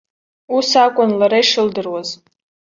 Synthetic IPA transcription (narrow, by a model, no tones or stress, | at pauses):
usakʷʼʊnlaɾaiʂɨldɨrwaz